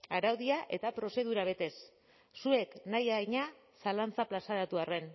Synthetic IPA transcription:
aɾawðiaʔe̞t̪apɾo̞se̞ð̞uɾaβ̞e̞t̪e̞s | sue̞knajaɲa | salant͡saplasaɾat̪uare̞n

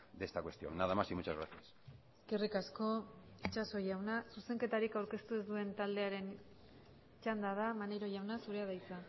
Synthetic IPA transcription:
d̪est̪akwe̞st̪io̰ŋnaðamasimut͡ʃazɣɾaθiaseskerikasko̞it͡ʃaso̞jawnasuse̞ŋke̞t̪aɾikawɾke̞st̪uezd̪ue̞nt̪ald̪e̞aɾe̞n | t͡ʃand̪að̞amaneɾo̞ʝawnasuɾe̞að̞ajt͡sa

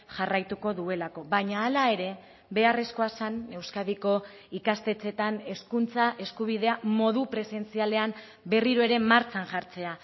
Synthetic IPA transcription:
ʝarajt̪uko̞ðue̞lako̞βaɲaːlae̞ɾe̞ | βe̞are̞sko̞asane̞wskaðiko̞ | ikast̪e̞t͡se̞t̪ane̞skunt͡saʔe̞skuβ̞ið̞e̞amo̞ðupɾe̞se̞nt͡siale̞am | be̞riɾoe̞ɾe̞maɾt͡sanʝaɾt͡se̞a

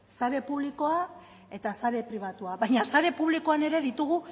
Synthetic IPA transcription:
saɾe̞puβliko̞a | e̞t̪asaɾe̞pɾiβ̞at̪uaβajɲasaɾe̞puβliko̞ane̞ɾe̞ðit̪uɣ̞u

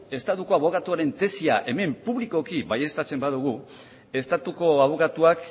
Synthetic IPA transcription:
e̞st̪at̪uko̞aβo̞kat̪uaɾe̞nt̪e̞sia̰ʔe̞me̞mpuβliko̞kiβaje̞st̪at͡se̞mbaðuɣ̞u | e̞st̪at̪uko̞aβ̞o̞kat̪uak

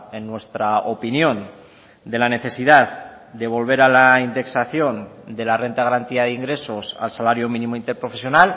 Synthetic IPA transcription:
enːwe̞st̪ɾaopinjõ̞n | d̪e̞lane̞θe̞siðaðd̪e̞β̞o̞lβ̞e̞ɾalaind̪e̞ksaθjo̞nd̪e̞lare̞nt̪aɣaɾant̪iað̞iŋɡɾe̞so̞sa̰lsalaɾjomĩnĩmoint̪e̞ɾpɾo̞fe̞sjo̞nal

